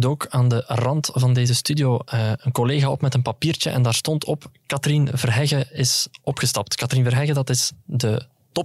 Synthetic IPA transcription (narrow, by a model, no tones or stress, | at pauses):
doːkaːndərɑntvɑndeːzəstydijoːəənkɔleːɣaːɔpmɛtənpɑpiːrt͡ʃəʔɛ̰ndaːrstɔntʰɔpkɑtərinvərɦɛɣəɪsɔpxəstɑp̚tkɑtərinvərɦɛɣədɑtɪsdə | tɔ